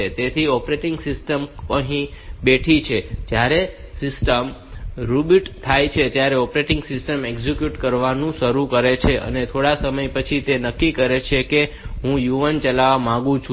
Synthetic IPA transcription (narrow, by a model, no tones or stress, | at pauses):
et̪et̪ʰiɔpɾeʈiŋɡsɪsʈəməɦĩbeʈʰit͡ʃʰed͡ʒjaɾesɪsʈəmɾubiʈt̪ʰːajt͡ʃʰet̪jaɾeɔpɾeʈɪŋɡsɪsʈəmeɡzikjuʈkəɾʋanũʃəɾũkəɾet͡ʃʰeʔə̰net̪ʰoɽasəməjpət͡ʃʰit̪enəkːikəɾet͡ʃʰeke | ɦũjuʋənt͡ʃəlaʋamãɡũt͡ʃʰ